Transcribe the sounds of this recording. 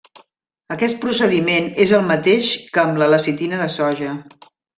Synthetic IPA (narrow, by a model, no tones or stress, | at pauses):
əkɛst̪̚pɾusəðimenezəlˠmət̪eʃkəːmlələsit̪inəðəsɔʒə